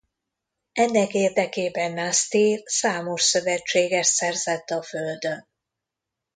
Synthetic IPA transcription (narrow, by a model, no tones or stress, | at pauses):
ɛnːɛkeːrd̪ɛkeːbɛnːast̪iːrsaːmo̞ʃsø̞vɛt͡ʃːeːɡɛʃt̪sɛrzɛt̪ːɒføld̪øn